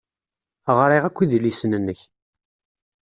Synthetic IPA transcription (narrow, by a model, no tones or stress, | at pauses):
ʁɾˤiʁækʷːiðlisnənːəç